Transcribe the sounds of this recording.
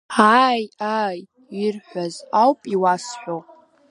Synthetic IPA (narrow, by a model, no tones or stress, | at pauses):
aːjaːj | irħʷazawpʼiwasħʷᶣo